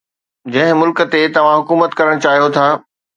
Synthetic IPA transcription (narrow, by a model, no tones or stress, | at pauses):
d͡ʑɐ̃ɦɪ̃mʊlkt̪et̪ɐʋ̤ãɦʊkuːmət̪kɐɾəɽ̃t͡ɕaːɦijot̪ʰaː